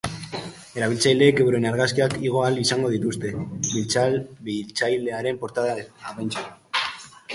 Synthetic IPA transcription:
e̞ɾaβ̞ilt͡sajld̪e̞kewɾe̞naɾɣaskiakiɣ̞o̞alisaŋɡo̞ð̞it̪ust̪e̞βilt͡salt͡sajle̞aɾe̞mpo̞ɾt̪aðaaβajnt͡sa

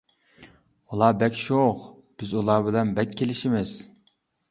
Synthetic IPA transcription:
ulˠɑːbɛkʲʃoχ | b̥ɪzulˠɑːbɪlɛnbɛkʲʰːelɪʃimɪz̥

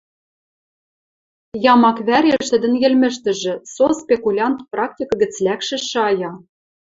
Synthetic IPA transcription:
jɑmɑkβæɾʲeʃt̪ɘ̆d̪ɘ̆njɘ̆lmɘ̆ʃt̪ɘ̆ʒɘ̆sospʲekulʲɑnt̪prɑk̚tʲikɤɡɘ̆t͡slækʃɘ̆ʃɑjɑ

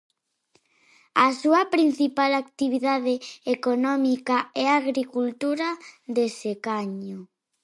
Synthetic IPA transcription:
asuɐpɾin̟θipalakt̪iβiðaðeekonɔmikaɛaɣɾikult̪uɾaðesekaɲo

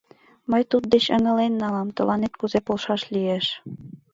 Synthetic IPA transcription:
mɤ̆jt̪ut̪̚d̪et͡ɕɤ̰̆ŋɤ̆lenːɑlɑmt̪ɤ̆lʔɑnet̪̚kuzepolˠʃɑʃlʲieʃ

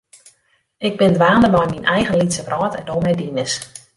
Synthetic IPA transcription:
ɪɡ̚bɪndʋaːndəmajminʔɛjɣənlitsəvrɔːtɛndoːmɛjdinəs

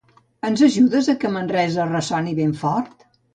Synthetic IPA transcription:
ənzəʒuðəzəkəmənrɛzərəsɔniβeɱfɔɾt̪

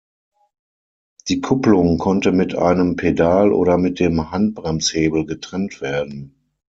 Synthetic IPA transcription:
d̥iːkʰʊplʊŋkʰɔntəmɪtʔa̰ɪnəmpʰedaːlʔo̰ːɾɐmɪt̚d̥eːmhant̚b̥ʁɛmsheːbl̩ɡətʁ̥ɛntv̥eːɐdn̩

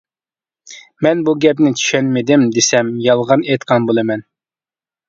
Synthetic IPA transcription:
mɛnbuɡʲɛp̬nɪt͡ʃ̪ʰy̥ʃɛnmɪd̪ɪmd̪esɛmjɑlˠʁɑnet̪qʰɑnbolˠɨmɛn

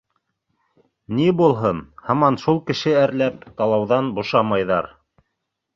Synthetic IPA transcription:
nibulˠɦɤnhɑmɑnʃulˠkɘ̆ʃɘæɾlæp̚t̪ɑlˠɑwðɑnbŏʃɑmɑjðɑɾ

